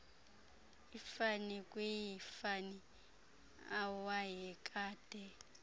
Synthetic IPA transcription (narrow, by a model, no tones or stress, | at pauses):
ifanikʼwejifani | awajɛkʼaːd̥ʱɛ